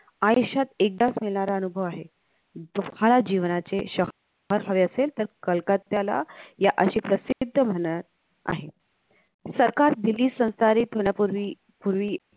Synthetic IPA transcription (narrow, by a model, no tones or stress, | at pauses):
ajiɕat̪ek̚d̪asmilɳaɾaənubʱəʋaɦe | d͡zokʰalad͡ʑiʋnat͡seɕəɦ | ɦəɾɦaʋeəselt̪əɾkəlkat̪ːjala̰jaʔəɕiːpɾəsid̪ʱːəm̤əɳəɾ | a̰ɦe | səɾkaɾd̪iliːsə̃w̃st̪aɾiːt̪ɦoɳapuɾʋi | puɾʋiː